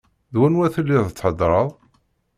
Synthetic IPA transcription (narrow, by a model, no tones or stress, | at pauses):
ðwænwæθəlːiðət͡sːħəd̪ɾˤəðˤ